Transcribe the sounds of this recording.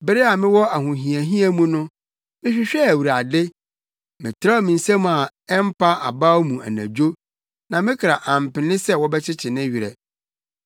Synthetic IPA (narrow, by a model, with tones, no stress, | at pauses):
bɪ˦ɾɪ˦a˨mɪ̃˦wɔ˦a˨ɦʊ̃˨ɦĩ˨æ˨ɦĩ˦æ˦mũ˦nʊ̃˦ | mɪ̃˦ɕᶣɪ˦ɕᶣɛ˦æ˨wu˨ɾa˨dɪ˦ | mɪ̃˨tʰɪ˦ɾa˦ɔ˦˨mɪ̃˨n̩˨sã˦m˨a˨ | ɛ˦m̩˦pʰa˦ʔa̰˨ba˦o˦mũ˨æ̰˨næ̰̃˨d͡ʑᶣo˦ | nã˨mɪ̃˦kʰɾa˨ʔã˨m̩˨pɪ̃˨nɪ̃˦sɛ˦wɔ˦bɛ˦t͡ɕʰɪ˦t͡ɕʰɪ˨nɪ̃˦ɥi˨ɾɛ̰˨